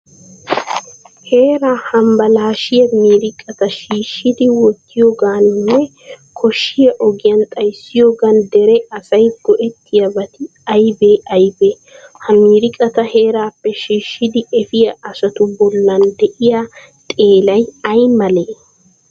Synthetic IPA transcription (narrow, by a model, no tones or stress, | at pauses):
he̞ːɾaːhɐmbɐlaːʃɪjɐmiːɾɪkʼːɐt̪ɐʃiːʃːɪd̪ɪwɔt̪ːɪjoːɡaːnnːɛ | kʰɔʃːɪjɐʔɔɡɪjɐnt̪ʼɐjsːɪjoːɡɐnd̪ɛɾɛɐsɐjɡ̥ɔʔɛt̪ːɪjɐbɐt̪ɪ | ɐjbe̞ːʔɐjbeː | hɐmiːɾɪkʼɐt̪ɐhe̞ːɾaːpːɛʃiːʃːɪd̪ɪʔɛfɪjɐʔɐsɐt̪ʊbɔlːɐnd̪ɛʔɪjaː | t̪ʼe̞ːlɐjɐjmɐleː